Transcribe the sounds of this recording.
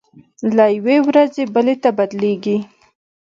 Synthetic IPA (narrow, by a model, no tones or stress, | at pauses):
lajwewɾazebəlet̪abad̪leɡi